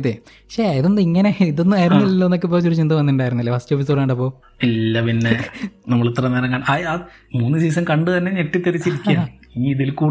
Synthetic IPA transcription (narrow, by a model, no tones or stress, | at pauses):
t̪ːe | ɕeiðo̞nːdɨiŋːɐneiðonːɨaːjɾunːilɐlːoːnːok̬ʲːɨpoːt͡ɕːuɾut͡ɕind̪ɨʋɐnːiɳɖaːjɾunːilːɐpɐst͡ɕofisoɽaːɳɖɐpːo̞ː | ilːɐpinːenɐmːɐɭut̪rɐnːɐɾɐŋːɡaːɳaa | muːnːɨsiːsɐmkɐɳɖɨt̪ɐnːeneʈːit̪ːɐɾit͡ɕːiɾikʲːaːiːiðilkuːɽ